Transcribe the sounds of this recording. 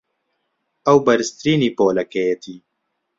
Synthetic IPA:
ɐwbɐɾɨst̪ɾiːniːpoːlɐkejet̪ʰiː

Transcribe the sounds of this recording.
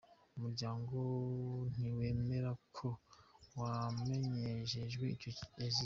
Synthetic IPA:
umuɾɟaːŋɡon̥iwe̞ːme̞ɾakʰo̞wame̞ɲeʃeʒɡwe̞icoazi

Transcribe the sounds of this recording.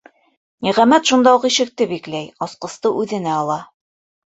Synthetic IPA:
niʁæmæt̪ʃund̪ɑuqiʃɘ̆k̚t̪ɘbiklæjɑsqɤ̆st̪ɤʔʉðɘ̆næɑlˠɑ

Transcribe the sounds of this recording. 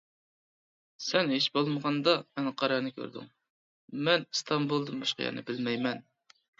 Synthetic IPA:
sɛnɦeʃbolˠməʁɑnd̪ɑmɛnqʰɑɾɑɾnɨkʲʰø̰ɾd̪y̰ŋ | mɛnst̪ʰɑmbulˠd̪ɨmbɑ̰ʃqɑ̰jɛ̰nɨ̰bɪlmɛjmɛn

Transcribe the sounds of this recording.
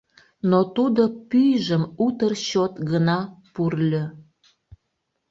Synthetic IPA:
not̪ud̪opyjʒəmut̪ərɕot̪ɡənɑpurlʲø̆

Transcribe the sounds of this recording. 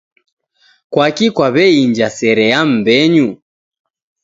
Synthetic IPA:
kwakikwaβɛiɲd͡ʒasɛɾɛam̩bɛɲu

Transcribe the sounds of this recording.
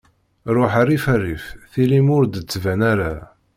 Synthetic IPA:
ɾʊħarːifærifθilimʊɾd̪ət͡sːvænæɾa

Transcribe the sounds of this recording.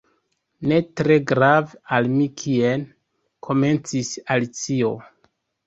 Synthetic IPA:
ne̞tɾe̞ɡɾavalmikʰien | kʰo̞me̞nt͡sisalit͡sio̞̰

